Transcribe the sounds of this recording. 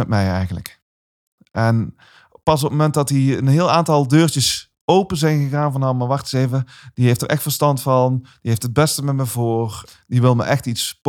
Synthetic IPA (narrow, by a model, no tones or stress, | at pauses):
ɛtmɛjɛ̰jɣənlə̰k | ʔɛn | pɑs̬ɔpəmomɛntdɑtiənɦɪːlˠaːntɑlˠdøːɹt͡ʃəs | owpənzɛjnɣəɣaːnvɑnɑmaːɹʋɑχtɪ̥sejvəd̥iɦejftəɹʔɛxtfəɹstɑntfɑnd̥iɦejftɦəd̚bɛstəmɛməvoːr | diʋɪlˠmə̰ʔɛxtitsp